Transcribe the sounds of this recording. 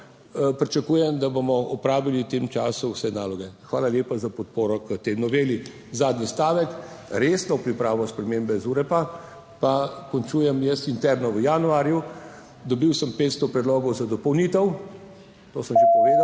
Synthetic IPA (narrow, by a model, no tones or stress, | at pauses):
pɾit͡ʃakuːjɛmd̪abomɔʔɔpɾaːʋiliwt̪eːmt͡ʃaːsuwsɛnaːlɔɡɛxʋaːlaljeːpazapɔt̪̚poːɾɔkət̪enɔʋeːli | zaːd̪nʲist̪aːʋɛkɾeːsnɔpɾipɾaːʋɔspɾɛmeːmbɛzuɾɛpa | pakɔnt͡ʃujɛmjɛsint̪ɛɾnɔʋəjaːnuaːɾju | d̪ɔbiwsəmpeːt̪st̪ɔpɾɛd̪loːɡɔwzad̪ɔpɔwnit̪ɛw | t̪oːsəmʒɛpɔʋeːd̪a